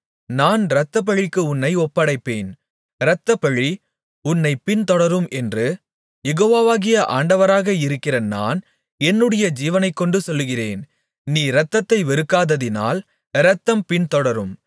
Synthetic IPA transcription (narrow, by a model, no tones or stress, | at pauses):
naːnɾɐt̪ːɐp̬ːɐɻɪkːɯʊnːɐɪɔpːɐɽɐɪpːeːn | ɾɐt̪ːɐpɐɻi | ʊnːɐɪpːɪnt̪ɔɽɐɾɯmʔɛndrɯ | jɛɣoːʋaːʋaːɣɪjɐʔaːɳɖɐʋɐɾaːɣɐɪɾɯkːɪrɐna̰ːn | ɛnːɯɽɐjɐd͡ʒiːʋɐnɐɪkːɔɳɖɯsɔlːɯɣɪreːn | niːɾɐt̪ːɐt̪ːɐɪʋɛɾɯkːaːðɐðɪna̰ːl | ɾɐt̪ːɐmpɪnt̪ɔɽɐɾɯm